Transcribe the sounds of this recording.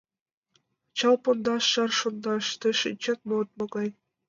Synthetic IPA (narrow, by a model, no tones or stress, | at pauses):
t͡ɕɑlˠpond̪ɑʃːɑrʃond̪ɑʃt̪ɘ̆ʃinʲt͡ɕɑt̪̚mot̪̚mŏɡɑj